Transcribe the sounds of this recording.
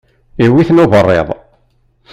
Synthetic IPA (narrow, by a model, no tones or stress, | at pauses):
iwiθnoðərˤːḛðˤ